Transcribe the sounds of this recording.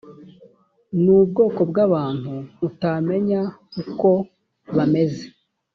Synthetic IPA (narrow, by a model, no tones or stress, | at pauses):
nubɡo̞ːko̞bɡaβaːn̥huːtame̞ɲakuko̞ | βame̞ze